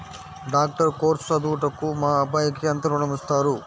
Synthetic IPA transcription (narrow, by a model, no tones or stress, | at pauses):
ɖaːk̚ʈɐɾkoːɾsɐd̪uːʈɐkːumaːɐbʱaːjɐkːeɐnt̪ɐɾunɐmist̪aːɾu